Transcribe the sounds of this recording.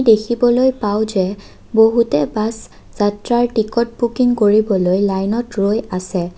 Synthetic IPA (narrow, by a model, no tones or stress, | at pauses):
dekʰibɔlojpawzɛ | boɦutɛbas | z̥atɹaɹʈikɔt̚bukiŋkoɹibɔlojlajnɔtɹojasɛ